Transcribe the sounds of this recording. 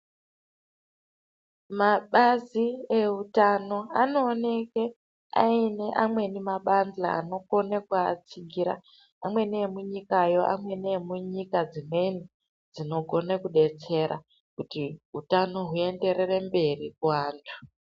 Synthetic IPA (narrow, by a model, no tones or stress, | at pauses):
maɓazie̞utano̞ano̞ːne̞ke | a̰ine̞ʔamwe̞nimaɓand͡za̰ːno̞ko̞nekuat͡siɡʱiɾa̰ | amwe̞neːmuɲikajo̞ʔa̰mwe̞nemuɲikad͡zime̞ni | d͡zino̞ɡʱo̞nekuɗe̞t͡se̞ɾʔa̰ | kutiɦutano̞ɦue̞nde̞re̞re̞mbe̞rikuwaːntʰu̥